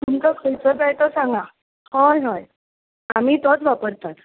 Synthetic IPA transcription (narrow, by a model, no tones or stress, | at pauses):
t̪umkəkʰəjt͡səpajt̪əsãŋɡa | həjɦəj | am̤iːt̪ɔt͡sʋapəɾt̪at̪